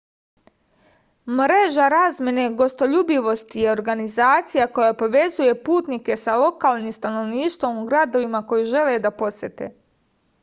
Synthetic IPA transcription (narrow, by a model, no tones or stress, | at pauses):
mɾeʒaɾaːzmʲje̞ne̞ɡo̞st̪o̞ʎubiʋo̞st̪ijeo̞ɾɡanizaːt̪sijako̞japo̞ʋe̞zuje̞puːt̪nike̞salo̞kaːlˠnimst̪ano̞ʋniːʃt̪ʋo̞muɡɾad̪o̞ʋimako̞jiʒe̞led̪apo̞sje̞t̪ḛ